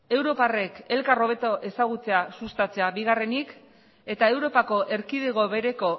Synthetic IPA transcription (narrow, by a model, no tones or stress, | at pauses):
e̞wɾo̞pare̞ke̞lkaro̞β̞e̞t̪o̞ʔe̞saɣ̞ut͡se̞asust̪at͡se̞aβiɣ̞are̞nik | e̞t̪ae̞wɾo̞pako̞ʔe̞ɾkið̞e̞ɣ̞o̞βeɾe̞ko̞